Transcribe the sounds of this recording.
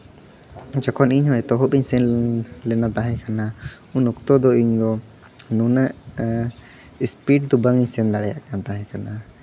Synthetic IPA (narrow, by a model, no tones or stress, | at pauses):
d͡ʒɔkʰɔniɲɦɔɛt̪ɔɦɔpiɲsɛnlɛnat̪aɦɛ̃kʰana | ũnɔkt̪ɔd̪ɔiɲd̪ɔ | nunaʔ | ispiʈ̚d̪ubaŋiɲsɛnd̪aɽɛjaʔkant̪aɦɛ̃kʰana